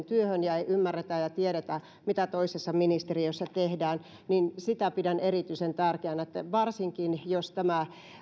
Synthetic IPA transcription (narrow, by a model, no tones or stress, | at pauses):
nt̪yøhønjɑeiʔymːærːet̪æjɑt̪ieɾet̪æ | mit̪æt̪oisesːɑminist̪eriøsːɑt̪ehdæːn | ninsit̪æpidænerit̪yisent̪ærkeænet̪ːæʋɑrsiŋkinjost̪æmæ